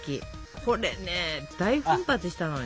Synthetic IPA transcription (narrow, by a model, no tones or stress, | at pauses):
kʲḭ | kʰoɾened̪̥aiɸɯ̃mpat͡sɨɕi̥t̪ano